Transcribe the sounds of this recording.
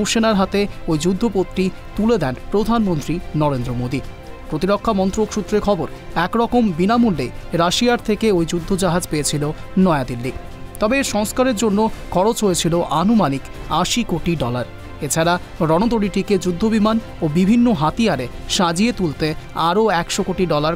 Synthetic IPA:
ʃenaɾɦat̪eojd͡ʑud̪ʱːopot̪ːɾi | t̪uled̪ɛnpɾod̪ʱanmont̪ɾinɔɾend̪ɾomod̪i | pɾot̪iɾokʰːamɔnt̪ɾokʃut̪ːɾeɾkʰɔboɾɛkɾɔkombinamulːḛjɾaʃiaɾt̪ʰekeojd͡ʑud̪ʱːod͡ʑaɦad͡ʑpeet͡ɕʰilonɔead̪ilːi | t̪ɔbeʃɔŋskaɾeɾd͡ʑonːokʰɔɾot͡ɕɦojet͡ɕʰiloʔanumanikaʃikoʈiɖɔlaɾ | et͡ɕʰaɾa | ɾɔnod̪oɽiʈiked͡ʑud̪ʱːobiman | obibʱinːoɦat̪ijaɾeʃad͡ʑiet̪ult̪eaɾoɛkʃokoʈiɖɔlaɾ

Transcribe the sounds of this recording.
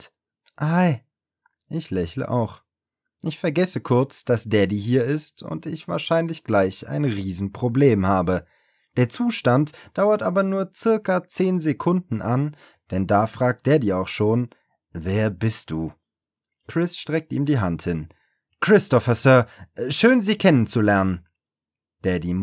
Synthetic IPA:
ʔaɪ | ʔɪçlɛçlə̰ʔa̰ʊx | ʔɪçfɛɐɡɛsəkʰʊɐt͡sd̥asd̥eːɐdiːɦiːɐɪstʊ̰ntɪçv̥a̰ːɐʃaɪnlɪçɡ̥laɪça̰ɪnʁiːzn̩pʁ̥obleːmhaːbə | d̥eːɐt͡suːʃtantd̥aʊɐtʔaːbɐnuːɐt͡sɪɐkɐt͡seːnzekʰʊndn̩ʔan | d̥ɛndaːfʁ̥aːk̚t̚d̥eːɐdiːɐaʊxʃoːn | veːɐbɪst̚d̥uː | kʁ̥ɪsʃtʁ̥ɛk̚tiːmdiːɦanthɪn | kʁ̥ɪstɔfɐsœːɐʃøːnziːkʰɛnənt͡sulɛɐnən | d̥ɛdi

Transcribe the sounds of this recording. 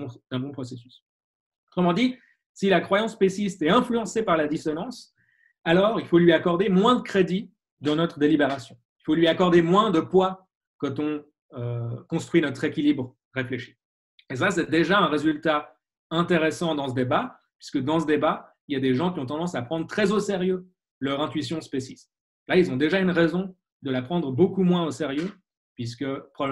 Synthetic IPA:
d̪ɛ̃bɔ̃pχɔsesy̥s | ɔt̪χəmɑ̃d̪i | silakχwajɑ̃spesist̪ɛɛ̃flyɑ̃sepaʁlad̪isɔnɑ̃s | alɔːʁilfolɥiakɔʁd̪emwɛ̃d̪əkχed̪i | d̪ɑ̃nɔt̪χəd̪elibeʁasjɔ̃ | ilfolɥiakɔʁd̪emwɛ̃d̪əpwa | kɑ̃t̪ɔ̃ | økɔ̃st̪χɥinɔt̪χekʲilibʁ | ʁefleʃi̥ | es̬asɛd̪eʒaɛ̃ʁezylt̪a | ɛ̃t̪eʁesɑ̃d̪ɑ̃səd̪eba | pɥiskəd̪ɑ̃səd̪ebailjad̪eʒɑ̃kʲiɔ̃t̪ɑ̃d̪ɑ̃sapχɑ̃d̪ʁət̪χɛzoseʁjø | lœʁɛ̃t̪ɥisjɔ̃spesis | lailzɔ̃d̪eʒaynʁɛzɔ̃ | d̪əlapχɑ̃d̪ʁəbokumwɛ̃oseʁjø | pɥis̬kəpχɔb

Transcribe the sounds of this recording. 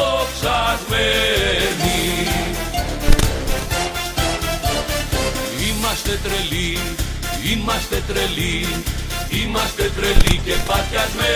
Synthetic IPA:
oksɐzveɾni | imɐst̪et̪ɾeli | imɐst̪et̪ɾeli | imɐst̪et̪ɾelicepɐcɐzve

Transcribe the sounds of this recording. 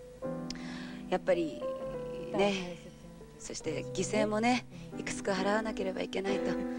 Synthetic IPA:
japːaɾʲi | ne̞ | so̞ɕi̥t̪e̞ɡʲise̞ːmo̞ne̞ikɯ̟̥t͡sɨ̥kahaɾaβanake̞ɾe̞ba̰ike̞nait̪o̞

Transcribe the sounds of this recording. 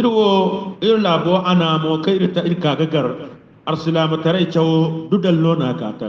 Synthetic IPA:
ʔɪɾwoɪɾlaːboʔanaːmoːkaɪɾtaʔɪɾkaːɡɐɡɐɾ | ʔɐɾsɪlaːmɐtɐɾɐjt͡ʃɐwodudɐlːonaːka̰ːtɐ

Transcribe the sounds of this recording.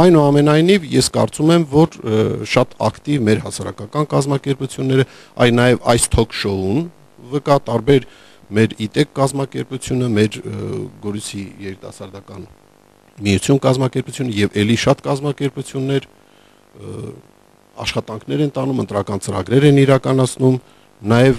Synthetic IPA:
ɑjnuɑmɛnɑjnivjɛskɑ̰ɾt͡sumɛmvɔɾʃɑt̪ɑ̰kt̪ivmɛɾɦɑsɑɾɑkɑkɑnkɑzmɑkɛɾput͡sʰjunːɛɾə | ɑ̰jlnɑjɛvɑjst̪ʰɔkʰʃɔun | vəkɑt̪ɑɾbɛɾ | mɛɾit̪ɛkːɑzmɑkɛɾput͡sʰjunəmɛɾɡɔɾisijɛɾit̪ɑsɑɾd̪ɑkɑn | mijut͡sʰjunkɑzmɑkɛɾput͡sʰjunəjɛvɛliʃɑt̪kɑzmɑkɛɾput͡sʰjunːɛɾ | ɑ̰ʃχɑt̪ɑŋkʰnɛɾɛnt̪ɑnumənt̪ɾɑkɑnt͡səɾɑ̰ɡɾɛɾɛniɾɑkɑnɑt͡sʰnum | nɑjɛv

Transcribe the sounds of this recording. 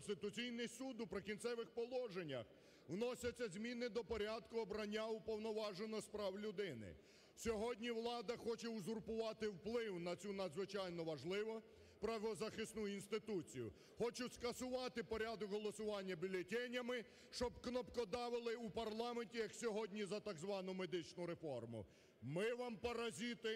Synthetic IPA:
nst̪ɪt̪ʊt͡sʲijnɪsud̪ʊpɾɪkʲint̪sɛʋɪxpɔlˠɔʒenʲːɐ̰x | wnɔsʲɐt͡sʲːɐzʲmʲinɪd̪ɔpɔɾʲad̪kʊɔbɾɐnʲːaupɔwnɔʋɑʒenɔspɾɑwlʲʊd̪ɪnɪ̰ | sʲɔɦɔdʲnʲiwlˠɑd̪ɐxɔt͡ʃɛuzʊrpʊʋɑt̪ɪwplˠɪwnɐt͡sʲunɐd̪zʋɪt͡ʃɑjnɔʋɐʒlˠɪʋɔ | pɾɐʋɔzɐxɪsnujinst̪ɪt̪ut͡sʲijʊ̰ | xɔt͡ʃʊskɐsʊʋɑt̪ɪpɔɾʲad̪ɔkɦɔlˠɔsʊʋɑnʲːɐbʲilʲetʲɛnʲːɐmɪ | ʃt͡ʃɔbknɔpkɔd̪ɑʋɪlˠɪupɐrlˠɑmenʲtʲijɐksʲɔɦɔdʲnʲizɐt̪ɑɡzʋɑnʊme̞d̪ɪt͡ʃnʊɾefɔrmʊ̰ | mɪʋɑmpɔɾɐzʲit̪ɪ

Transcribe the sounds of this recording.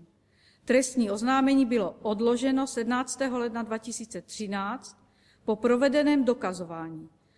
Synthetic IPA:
t̪ɾɛst̪ɲiːo̞znaːmɛɲiːbɪloʔodlo̞ʒɛno̞sɛdnaːt͡st̪ɛːɦolɛdnadvacɪsiːt͡sɛt̪r̝̥ɪnaːt͡st̪ | po̞pɾo̞vɛdɛnɛːmdo̞kazovaːɲiː

